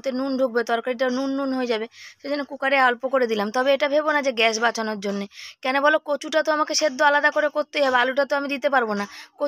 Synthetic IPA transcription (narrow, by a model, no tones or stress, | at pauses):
t̪enunɖʱuk̚bet̪ɔɾkaɾiʈ̬anunːunɦoed͡ʑabeʃed͡ʑonːekukaɾealpokoɾed̪ilamt̪ɔbeeʈabʱebonad͡ʑeɡɛʃbat͡ɕanoɾd͡ʑonːekɛnobɔlokot͡ɕuʈat̪oamakeʃed̪ːoalad̪akoɾekoɾt̪eɦabealuʈat̪oamid̪it̪epaɾbonako